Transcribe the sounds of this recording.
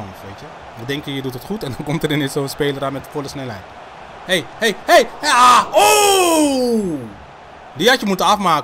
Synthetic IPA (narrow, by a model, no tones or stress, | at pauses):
ɔnfʋejtjə | ʋədɛŋkəjədutətχutɛndɔnkɔmtəɾɪnɪnsowənspejləramɛtfɔləsnɛlɦɛjt | hejhejhejao | diɑtjəmutənɑfmaːk